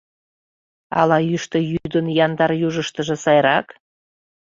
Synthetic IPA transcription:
ɑ̰lɑjyʃt̪ə̆jyd̪ənjɑnd̪ɑɾjuʒəʃt̪əʒĕsɑjɾɑk

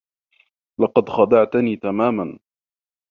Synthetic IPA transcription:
lɑqɑd̪xɑd̪ɑʕt̪niːt̪amaːman

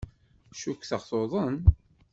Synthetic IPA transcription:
ʃukθəʁθoðˤən

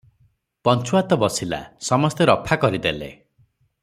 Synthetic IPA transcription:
pɔnt͡ʃuat̪ɔbɔsila̰sɔmɔst̪eɾɔpʰakɔɾid̪elḛ

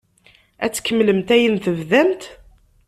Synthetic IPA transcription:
æ̰t͡sːkːəmːləmt̪æjənθəvðæmt̪

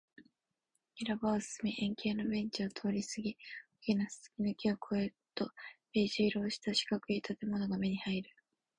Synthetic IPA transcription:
iɾabaosɨ̥sɨmiʔẽ̞ŋke̞ːno̞bẽ̞ɲ̟t͡ɕiot̪ʰo̞ːɾʲisɨɡʲiokʲinasɨ̥sɨ̥kʲinɨkʲiokʰo̞e | t̪o̞pe̞ːʑiːɾo̞ːɕi̥t̪aɕi̥kakɯ̟it̪ʰat̪e̞mo̞no̞ɡame̞ɲ̟ihaiɾɯ̟

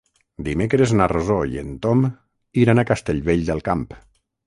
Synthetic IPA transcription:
d̪imekɾeznarozoj̰ḛnt̪om | iɾanakast̪eʎβeʎd̪elˠkamp

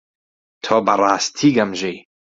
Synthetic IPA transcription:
t̪ʰoːbɐrˤɑːst̪ʰiːɡɐmʒej

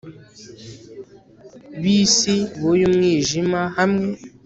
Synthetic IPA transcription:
bisibojumŋiʒimahamŋe

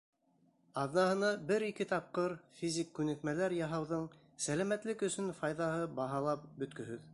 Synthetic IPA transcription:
ɑðnɑhɤ̆nɑbɘɾikɘt̪ɑp̚qɤɾfʲizʲikːʉnɘ̆k̪mælæɾjɑɦɑwðɤɴ | sælæmæt̪lɘkɵ̆sɵnfɑjðɑɦɤbɑɦɑlˠɑp̚bɵ̆t̪kɵ̆ɦɵð

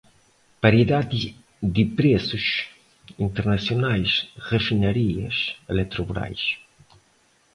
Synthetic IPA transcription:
paɾjiðad̪i | d̪ipɾesuʃ | int̪eɾnasjonajsʁefinɐɾiɐ̰selɛt̪ɾubɾa̰js

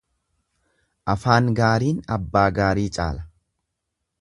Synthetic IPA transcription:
ʔɐfaːŋɡaːɾiːnɐbːaːɡaːɾiːt͡ʃʼa̰ːlɐ̥

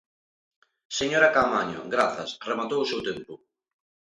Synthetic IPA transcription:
seɲoɾakamaɲʊ̰ɡɾaθɐsremat̪owʊsewt̪empʊ

